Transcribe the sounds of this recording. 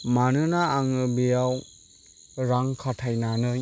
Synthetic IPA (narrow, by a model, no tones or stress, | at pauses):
manɯnaːŋɯbejaw | ɾaŋkʰatʰajnanɯ